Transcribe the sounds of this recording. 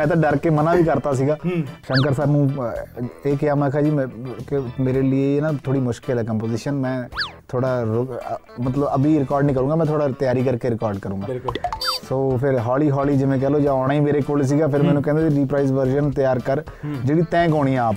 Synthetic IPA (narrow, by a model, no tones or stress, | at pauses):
mɛ̃ːt̪ãːɖəɾkeːmənãːʋiːkəɾt̪aːs̬iːɡaːʃə̃ŋkəɾsaːbmũː | eːkɪjaːmɛ̃kʰaːd͡ʒiːkɪmeːɾeːlieːeːnãt̪ʰoːɽiːmʊʃkɪlɛkəmpoːzɪːʃənmɛ̃ːt̪ʰoːɽaːɾʊ | mət̪ləbəbiːɾɪkɔːɾɖnĩːk̬əɾũːŋɡaːmɛ̃ːt̪ʰoːɽaːt̪ɪjaːɾiːkəɾkeːɾɪkɔːɾɖkəɾũːɡaːsoːpʰɪɾɦɔːliːɦɔːliːd͡ʒɪʋẽːkɛːloːd͡ʒãːɔːɽ̃aːiːmeːɾeːkoːls̬iːɡaːpʰɪɾmɛ̃ːnũːkɛ̃ːnd̪eiɾiːpɾaːɪzʋəɾʃənt̪ɪjaːɾkəɾd͡ʒeːɽiːt̪ɛ̃ːkɦoːɽ̃ĩːãaːp